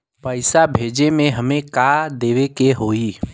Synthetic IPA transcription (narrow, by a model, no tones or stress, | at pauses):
pəɪsabʱeːd͡ʒemẽɦəmẽkad̪eːʋekeɦoːiː